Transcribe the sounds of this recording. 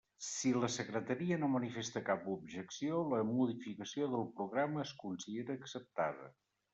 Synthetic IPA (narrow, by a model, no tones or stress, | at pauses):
siləsəkɾət̪əɾiənomənifest̪əkapubʒəksioləmuðifikəsioðəlˠpɾuɣɾaməːskunsiðeɾəːksəp̚t̪a̰ðə̰